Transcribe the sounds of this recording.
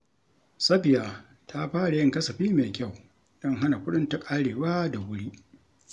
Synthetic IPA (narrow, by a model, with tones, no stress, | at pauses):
sɐ˦bɪ˨jaː˨ | tʰa˦ɸaː˦ɽa˨jɪ˦ŋkɐ˦sɐ˨ɸiː˦meː˨kʲa˦˨w | d̥ɔ˦˨ŋɦa˦na˨kʷʊ˦ɗʊ˦nta˦kʼaː˦ɽeː˨waː˦da˨wʊ˦ɽi˦ʔ